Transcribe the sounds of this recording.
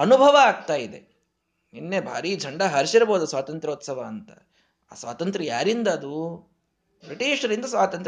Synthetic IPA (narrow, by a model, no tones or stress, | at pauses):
ɐnubʱɐʋɐːɡ̚t̪aːjid̪e̞̰ | inːebʱa̰ːɾiːd͡ʒʱɐɳɖɐɦɐɾʃiɾɐboːd̪ɐsʋaːt̪ɐnt̪ɾoːt̪sɐʋɐːnt̪ɐ̰ | a̰ːsʋa̰ːt̪ɐnt̪ɾɐja̰ːɾind̪ɐːd̪u | pɾiʈiːʂɐɾind̪ɐsʋaːt̪ɐnt̪ɾ